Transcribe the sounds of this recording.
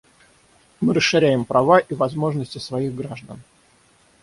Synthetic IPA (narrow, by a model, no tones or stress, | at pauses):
mɨɾəsʂɨɾʲæjɪmpɾʔɐvaʔivɐzmo̞ʐnəsʲtʲɪsvɐiɣɡɾaʐd̪ə̰n